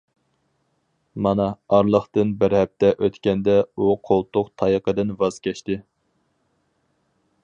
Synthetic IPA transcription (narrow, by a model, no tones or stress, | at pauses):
mɑnɑɑɾlˠəχt̪ɨnbɪɾhɛp̚t̪ʰɛʔøt̪kʲɛnd̪ɛuqʰolˠt̪ʊqt̪ʰɑjəqəd̪ɨnvɑz̥kʲɛʃt̪ɪ